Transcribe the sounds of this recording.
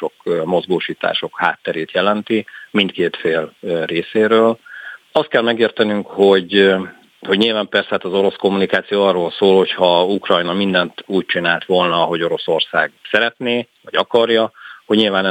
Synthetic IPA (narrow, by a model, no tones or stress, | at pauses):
okmo̞zɡoːʃiːt̪a̰ːʃo̞kha̰ːt̪ːɛɾeːt̪jɛlɛnt̪imint̪keːt̪feːlreːseːɾøːlɒst̪kɛlmɛɡeːrt̪ɛnyŋkho̞ɟ | ho̞ɟɲiːlvaːmpɛrsɛt̪ɒzo̞ɾo̞sko̞mːunikaːt̪sijoːɒrːoːlsoːlho̞chɒukrɒjnɒmind̪ɛnt̪uːc̚t͡ʃinaːlt̪ʋo̞lnɒɦo̞ɟo̞ɾo̞so̞rsa̰ːɡsɛɾɛt̪neːvɒɟɒkɒrjɒhoɟɲilvaːnɛ